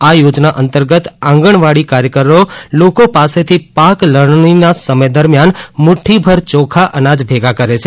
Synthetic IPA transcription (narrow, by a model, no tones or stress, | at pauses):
ajod͡ʒnaʔənt̪əɾɡət̪ãŋɡəɳʋaɽikaɾjəkəɾolokopaset̪ʰipakləɳ̃ninasəməjd̪əɾmjanmuʈʰibʱəɾt͡ʃɔkʰaʔənad͡ʒbʱeɡakəɾet͡ʃʰe